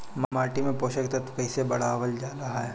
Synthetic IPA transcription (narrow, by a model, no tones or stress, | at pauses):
mmaːʈimẽpoːʃəkt̪ɐt̪pɛːsebɐɽ̤aːʋəld͡ʒaːɾɐɦaɦɛː